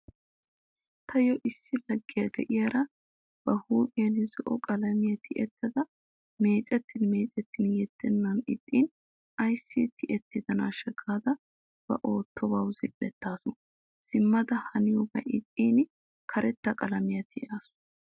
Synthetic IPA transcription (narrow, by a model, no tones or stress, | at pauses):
t̪ʰɐjɔʔɪsːɪlɐɡːɪjɐd̪ɛ̰ʔɪjɐɾɐ | b̥ɐhuːpʼɪjɐnɪzɔʔɔkʼɐlɐmɪjɐt̪ɪʔɛt̪ːɐd̪ɐ | me̞ːt͡ʃʼɛt̪ːɪnme̞ːt͡ʃʼɛt̪ːɪnjɛt̪ːɛnːɐnɪ̰t̪ʼːiːn | ɐjsːit̪ːɪʔɛt̪ːɪd̪ɐnaːʃɐɡaːd̪ɐ | b̥ɐ̰ʔoːt̪ːɔbawzɪlɛt̪ːaːsɔn | sɪmːɐd̪ɐhɐnɪjɔbɐ̰ʔɪt̪ʼːiːn | kʰɐɾɛt̪ːɐkʼɐlɐmɪjɐt̪ɪɛaːsʊ